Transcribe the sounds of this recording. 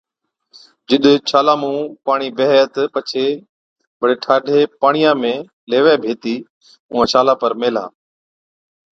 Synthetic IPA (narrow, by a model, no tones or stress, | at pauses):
d͡ʒɪɗt͡ʃʰaːlaːmũːpaːɳiːbeɦt̪pət͡ʃʰeː | ɓəɗeːʈʰaːɖʱeːpaːɳɪjãːmẽː | leːʋeːbʱeːt̪iː | ʊ̃ːãːt͡ʃʰaːlaːpəɾmeːla̰ː